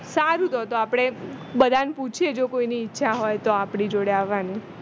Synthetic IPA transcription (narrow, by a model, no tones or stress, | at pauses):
saɾũt̪ot̪oapɽ̃ebəd̪ʱanput͡ʃʰjed͡ʒokoiniːtːʃʰaɦojt̪oapɽid͡ʒoɽeaʋːani